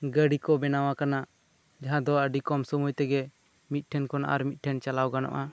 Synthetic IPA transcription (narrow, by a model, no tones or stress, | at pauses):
ɡəɖikɔbɛnawakanaʔ | d͡ʒaɦãd̪ɔəɖikɔmsɔmujt̪ɛɡɛ | mit̪̚ʈʰɛnkɔna̰ʔa̰ɾmit̪̚ʈʰɛnt͡ʃalawɡanɔ̰ʔa